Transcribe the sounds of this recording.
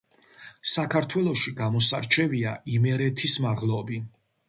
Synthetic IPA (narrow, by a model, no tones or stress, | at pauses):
sakʰaɾt̪ʰwɛlˠɔʃiɡamɔsaɾt͡ʃʰɛviaʔimɛɾɛt̪ʰismaʁlˠɔbi